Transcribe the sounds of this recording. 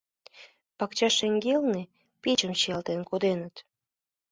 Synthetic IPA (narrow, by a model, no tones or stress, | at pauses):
pɑkt͡ɕɑʃeŋɡelne | pit͡ɕəmɕijɑlt̪enkod̪enət̪